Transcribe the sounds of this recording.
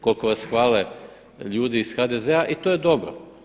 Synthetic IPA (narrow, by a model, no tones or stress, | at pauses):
ko̞lko̞ʋasxʋaːle | ʎuːd̪iisxad̪ezeaʔit̪ojed̪o̞bɾo̰